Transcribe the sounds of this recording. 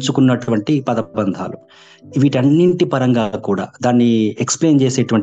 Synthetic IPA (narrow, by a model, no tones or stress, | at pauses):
t͡ʃukunːɐʈuʋɐɳʈipɐd̪ɐbɐnd̪ʱa̰ːlu | ʋiʈɐnːiɳʈipɐɾɐŋɡaːkuːɽa̰ːd̪aːnːieksple̞ːnt͡ʃeːseːʈuʋɐɳʈ